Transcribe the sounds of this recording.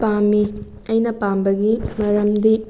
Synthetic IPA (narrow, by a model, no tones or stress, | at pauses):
pamːi | ɐjnɐpambɐɡimɐɾɐmd̪i